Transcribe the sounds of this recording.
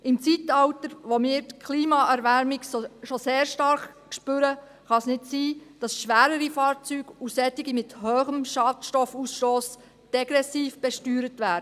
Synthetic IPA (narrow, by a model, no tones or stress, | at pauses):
ʔɪmt͡sitɑwtəɾʋomiːɾtkʰliːmɑʔæɾʋæɾmiɡsʃoseːɾʃtɑɾχkʃpʏɾə | χɑsnɪtsiːd̥ɑsʃʋæːɾəɾifɑːɾt͡syːɡ̥usɛtiɡimɪthøːχəmʃɑːtʃtɔfusʃtoːs | d̥ɛɡ̥ɾɛsiːfb̥ɛʃtyːɾətʋæːɾə